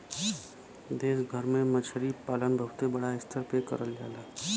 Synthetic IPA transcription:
d̪eːsɡʱəɾmẽmət͡ʃʰəɾipaːlənbʱəʋt̪ebɐɽaɪst̪ʰəɾpekə̰ɾəld͡ʒa̰ːlaː

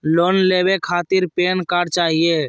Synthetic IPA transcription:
loːnleːwekʰaːt̪ɪɾpeːnkaːɾt͡ʃaːɦieː

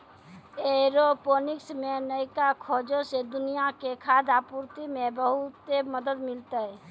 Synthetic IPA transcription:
eɾoponɪksmenəjkakʰod͡ʒosed̪ʊnijakekʰad̪apuɾt̪imẽbəɦut̪eməd̪əd̪mɪlt̪aɛ

